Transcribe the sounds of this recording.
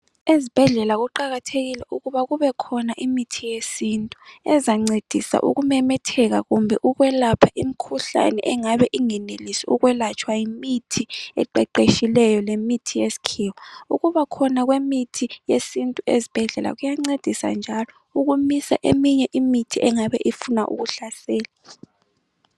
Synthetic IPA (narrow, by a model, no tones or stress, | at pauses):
ezib̥ʱɛɮɛlaɣuǃaɣatʰeɣilɛʔuɣuβaɣuβɛkʰɔnaʔimitʰijesintʼuɛ̰zaŋ͡ǀed̥ʱisa̰ʔṵɣumɛmɛtʰɛɣa̰ɣumbʱɛʔuɣwɛlapʰaʔimikʰuɬa̰nɛ̰ʔɛŋaβɛʔiŋɛnelisiuɣwɛlat͡ʃʰʼwajimitʰiɛ̰ǃɛǃeʃilɛjɔlemitʰijesi̥kʰiwɔuɣuβakʰɔnaɣwemitʰijesintʼuezib̥ʱɛɮɛla̰ɣujaŋ͡ǀed̥ʱisa̰nd͡ʒʱalɔ | uɣumisa̰ʔemiɲɛʔimitʰiʔɛŋaβɛʔifunaʔṵɣuɬasɛːla